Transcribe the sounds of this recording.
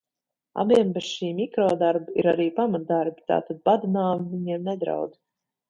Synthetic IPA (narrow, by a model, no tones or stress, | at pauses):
a̰biɛmbɛʃiːmikɾɔːd̪aɾbḭɾaɾiːpamat̪̚d̪aɾbʲi̥t̪a̰ːt̪ad̪̚bad̪inaːmviɲiɛmnɛd̪ɾa̰wd̪